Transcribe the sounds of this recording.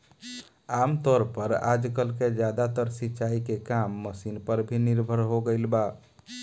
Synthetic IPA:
amt̪ɔɾpəɾa̰d͡ʒkəlked͡ʒad̪at̪əɾsitːt͡ʃaikekamːəsinpəɾbʱiniɾbʱəɾɦoɡəɪlba

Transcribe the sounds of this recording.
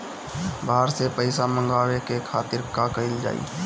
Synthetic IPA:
baːəɾsepəɪsamə̃ŋɡaːwekekʰaːt̪ɪɾkakəɪld͡ʒa̰ːḭː

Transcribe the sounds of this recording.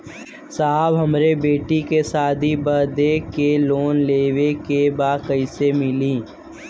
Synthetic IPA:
saabɦɐmɾebeːʈikesaːd̪ʱibəɾd̪ekeloːnleːwekebaːkəɪsemɪliː

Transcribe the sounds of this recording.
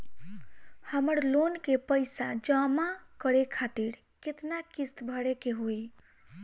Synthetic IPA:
həməɾlonkepəjsad͡ʒəmakəɾekʰat̪iɾ | ket̪nakist̪bʱəɽekeɦoj

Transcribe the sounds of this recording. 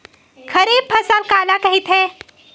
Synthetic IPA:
kʰɐɾiːb̚pʰɐsalkaːlakɐɦit̪ɦɛ̃ː

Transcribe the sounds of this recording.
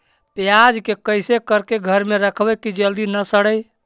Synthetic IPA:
pjad͡ʒkekəjsekəɾkeɡʱəɾmeɾəkʰbɛkid͡ʒəld̪inəsəɽəj

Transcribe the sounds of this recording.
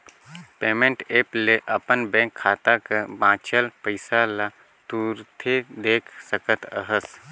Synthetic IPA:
peːmẽɳʈeːpleʔɐpənbɛ̃ːkʰːaːt̪akabãːt͡ʃəlpəɪsala | t̪uːɾt̪ʰed̪eːkʰsəkət̪əɦəs

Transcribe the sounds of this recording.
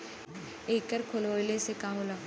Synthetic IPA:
eːkːəɾkʰoloːjlesekãːɦola

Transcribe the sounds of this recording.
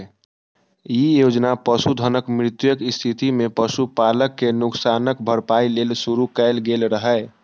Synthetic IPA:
jijod͡ʒnapəsud̪ʱənəkmɾɪt̪jəkist̪ʰit̪imepəsupaləkːenʊksanəkbʱəɾpailelsuɾukɛɪlɡelɾəɦə

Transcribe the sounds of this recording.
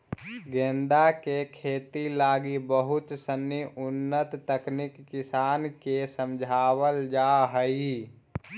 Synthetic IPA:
ɡẽːnd̪akekʰeːt̪ilaːɡibəɦʊt̪sənːiʔʊnːət̪ːəknɪkːɪsaːnkesə̃md͡ʒʱaːwəld͡ʒaɦəi

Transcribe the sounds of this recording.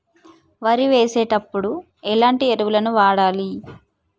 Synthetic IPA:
ʋɐɾiʋe̞ːseːʈɐpːuɽu | ɛlaːɳʈieɾuʋulɐnuʋaːɽaːli

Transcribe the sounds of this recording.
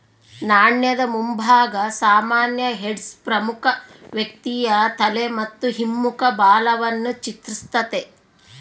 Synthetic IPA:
naːɳjɐd̪ɐmumbʱaːɡɐsaːmaːnjɐɦeɖspɾɐmukʰɐʋjɐk̚t̪ijɐt̪ɐlemɐt̪ːuɦimːukɐbaːlɐʋɐnːut͡ʃit̪ɾist̪ɐt̪e

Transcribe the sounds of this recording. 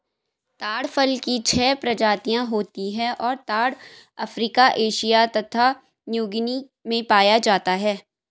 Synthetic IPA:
t̪aːɽfəlkit͡ʃʰɛːpɾɐd͡ʒaːt̪ijãɦoːt̪iɦɛ̃ʔɔːɾt̪aːɽ | ɐfɾiːkaʔeːʃijat̪ɐt̪ʰa | njuːɡni | mẽpaːjad͡ʒaːt̪aɦɛː

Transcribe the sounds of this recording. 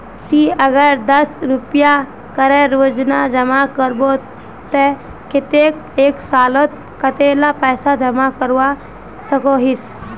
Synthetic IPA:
t̪iːəɡəɾd̪əsɾupja | kəɾeɾoːd͡ʒnad͡ʒəmakəɾbo | t̪e | kɪt̪ek | eːksaːlot̪̚ | kət̪elapəjsad͡ʒɐmakəɾʋa | səkoɦis

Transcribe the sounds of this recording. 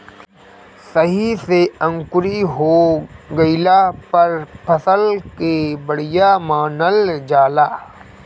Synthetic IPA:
səɦiseə̃ŋkʊɾiɦoɡəɪlapɐɾpʰɐsəlkebəɽ̤ijamaːnəld͡ʒaːlaː

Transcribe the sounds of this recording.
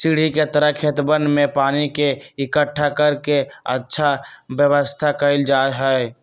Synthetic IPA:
siɽ̤iket̪əɾəkʰet̪bənmepaːnikeɪkəʈʰːakəɾkeə̰tːʃʰabjəβəst̪ʰakəɪld͡ʒaːɦə

